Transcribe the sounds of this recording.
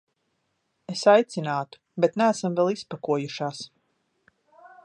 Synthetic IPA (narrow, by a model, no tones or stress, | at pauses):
esajt̪sinaːt̪u̥bet̪næːsamvɛlˠispakuɔjuʃaːs